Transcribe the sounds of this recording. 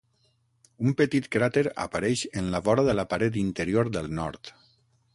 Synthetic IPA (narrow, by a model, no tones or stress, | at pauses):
umpət̪it̪kɾat̪eɾa̰paɾɛʃənlaβɔɾaðəlapaɾɛt̪̬int̪əɾioɾðəlˠnɔɾt̪